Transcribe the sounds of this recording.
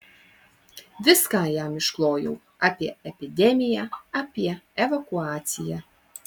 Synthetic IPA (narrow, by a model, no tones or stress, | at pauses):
vʲɪskaːjaːmiʃklˠoːjṵw | apʲiɛ̰ɛpʲid̪ʲɛmʲijaapʲiɛɛvakuaːt̪sʲija̰